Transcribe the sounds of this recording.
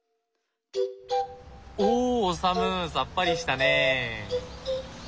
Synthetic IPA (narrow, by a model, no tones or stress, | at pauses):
osamɯsap͈ːaɾiɕi̥t̪ane